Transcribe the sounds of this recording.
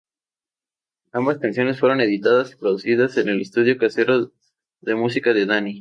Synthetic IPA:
ambaskansjo̞nesfwe̞ɾo̞ne̞ðit̪aðasi̥pɾo̞ðusiðase̞ne̞lest̪uð̞jo̞kase̞ɾo̞ | ðe̞mus̬ikaðe̞ðani

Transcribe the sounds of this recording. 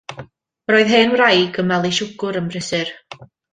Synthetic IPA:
roːɨðɦeːnwrajɡəmvɛlˠiʃʊɡʊɾəmrɪsɨr

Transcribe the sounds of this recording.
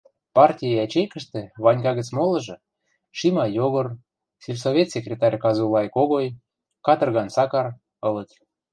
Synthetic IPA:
pɑrtʲijeɑt͡ɕejkə̆ʃt̪ĕβɑnʲkɑɣə̆t͡smolɤ̆ʒɤ̆ | ʃimɑjoɣɤ̆r | sʲilʲsovʲet̪sʲekrʲet̪ɑrʲkɑzulˠɑjkoɣoj | kɑt̪ɤ̆rɣɑnsɑkɑr | ɤ̆lə̆t̪

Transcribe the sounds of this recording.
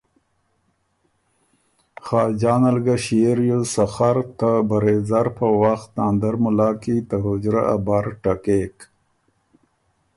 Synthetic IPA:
xɑːd͡ʑaːnalɡaɕiɾjosaxaɾt̪abaɾezaɾpəwaxt̪naːnd̪aɾmʊlɑːkit̪aɦʊd͡ʑɾaʔa̰baɾʈakek

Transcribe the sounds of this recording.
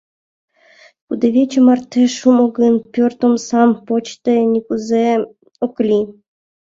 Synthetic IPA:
kud̪eβʲet͡ɕə̆mɑrt̪ʰeʃumoɡənpʲørt̪omsɑmpot͡ɕt̪enʲikuze | oklʲi

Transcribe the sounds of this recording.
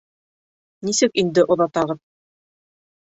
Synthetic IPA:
nisɘkind̪ɘʔŏðɑt̪ɑʁɤp̚

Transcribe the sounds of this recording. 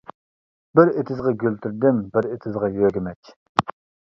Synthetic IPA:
bɪɾet̪ʰɪzʁɑɡʲølt̪ʰyɾd̪ɪmbɪɾet̪ʰɪzʁɑjøːɡʲɪmɛt͡ʃʲ

